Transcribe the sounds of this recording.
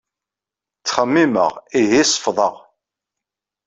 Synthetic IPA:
t͡sːχəmːimə̰ʁiɦisˤə̥fðˤəʁ

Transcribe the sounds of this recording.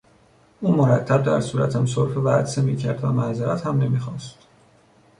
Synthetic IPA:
ʔuːmoɾæt̪ʰːæb̚d̪æ̰ɾsuːɾæt̪ʰhæmsoɾfevæd̪semiːcʰæɾd̪væmæzeɾæt̪hæmne̞miːxɒːst̪

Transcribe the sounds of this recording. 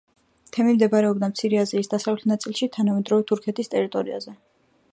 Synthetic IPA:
t̪ʰɛmimd̪ɛbaɾɛɔbd̪amt̪sʰiɾɛaziːsd̪asavlɛt̪ʰnat̪sʼilˠʃit̪ʰanamɛd̪ɾɔvɛt̪ʰuɾkʰɛt̪ʰist̪ʼɛɾit̪ʼɔɾia̰zɛ

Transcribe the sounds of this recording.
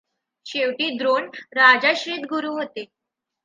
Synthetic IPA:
ɕeʋʈiːd̪ɾoɳɾad͡zaɕɾiːt̪ɡuɾuːɦot̪e

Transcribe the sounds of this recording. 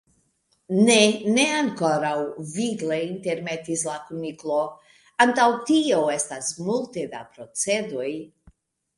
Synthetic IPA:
nene̞aŋko̞ɾawvileinte̞ɾme̞tislakumiklo̞ | antawtioe̞stasmulte̞da̰pɾo̞t͡se̞doj

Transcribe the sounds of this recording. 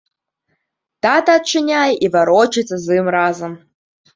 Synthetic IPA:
tat̪at̚ʈ͡ʂʰɨnʲajivaɾot͡ʃet͡sɐzɨmraːzɐm

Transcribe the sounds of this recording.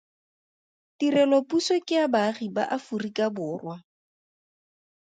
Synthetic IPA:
tirɛlopʼusekʼɪabaχiba̰ʔafurikabʊːrwa

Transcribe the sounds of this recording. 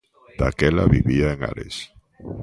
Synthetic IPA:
d̪̥akela̰βiβiaeŋa̰ɾes

